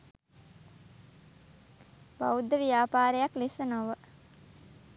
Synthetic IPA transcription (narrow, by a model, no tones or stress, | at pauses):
ba̰ud̪ːəʋijaːpaːɾəjaklisənoʋə